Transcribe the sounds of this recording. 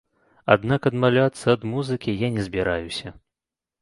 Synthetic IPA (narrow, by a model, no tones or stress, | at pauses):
a̰d̪nakɐd̪malʲat̪sːɐːd̪muzɨkʲijanʲɛzʲbʲiɾajusʲɐ